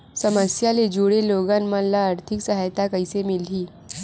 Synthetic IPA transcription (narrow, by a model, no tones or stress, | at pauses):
səməsjaled͡ʒuɽeloːɡãnmənlaəɾt̪ʰɪksəɦajt̪akəisemɪliː